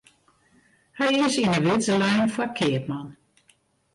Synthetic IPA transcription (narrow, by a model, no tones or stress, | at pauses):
hɛjɪsinəʋɪzəlɛjnfwakʰɪəp̚man